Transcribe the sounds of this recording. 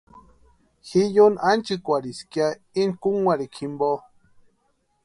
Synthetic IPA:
xijonʔant͡ʃikʷaɾiskja | inkuŋwaɾikʰimbo

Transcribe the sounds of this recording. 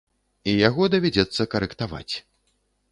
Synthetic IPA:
ijaɣɔd̪ɐvʲad͡zʲɛt̪sːɐkɐɾɛkt̪ava̰t͡sʲ

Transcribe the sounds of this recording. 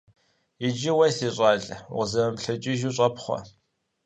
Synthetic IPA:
jɪd͡ʒɪwɐsiːɕʼɑːɮwʁzɐmɐmɬɐt͡ʃʼiʒuːɕʼɐpχʷɔ̰

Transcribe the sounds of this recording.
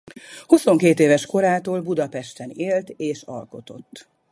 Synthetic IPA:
huso̞ŋkeːt̪eːvɛʃko̞ɾaːt̪oːlbud̪ɒpɛʃt̪ɛneːlt̪eːʃɒ̰lko̞t̪o̞̰t̪ː

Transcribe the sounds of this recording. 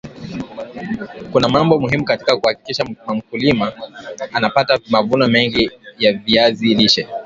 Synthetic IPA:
kunamambɔmuhimukati̥kakuhaki̥kiʃaam̩kulimaanapatamavunamɛŋɡijaviaziliʃɛ

